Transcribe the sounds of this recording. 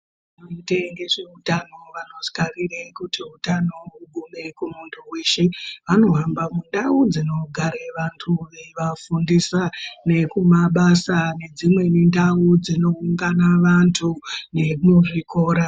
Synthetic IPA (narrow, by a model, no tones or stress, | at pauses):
anoiteŋɡe̞ʐe̞utano̞ʋano̞skarirekutiutano̞uɡʱume̞kumuntʰuweːʃeʋano̞ɦambamundaud͡zino̞ɡʱaɾeʋantʰuʋeʋafundisane̞kumaɓasane̞d͡zimwe̞nindaud͡zino̞uŋɡanaʋantʰune̞muʐiko̞ːɾa